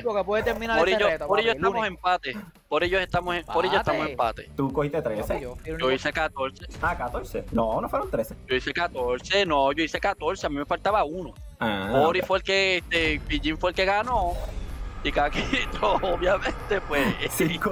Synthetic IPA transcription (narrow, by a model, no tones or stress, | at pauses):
okepweðet̪eɾmĩnapoɾeʎopoɾeʝoeamosempat̪e | poɾeʝose̞ht̪amosepoɾejot̪amosempat̪e̞̰t̪ukohit̪et̪ɾesed͡ʒoisekat̪o̞ɾseakat̪oɾsḛnõnofweɾont̪ɾesed͡ʒoisekat̪oɾsenõʝoisekat̪o̞ɾseamime̞falt̪aβauno | aoɾifweelkeet̪ebiʝiɱfwelke̞ɣano | ikakit̪ooβjamẽnt̪epwe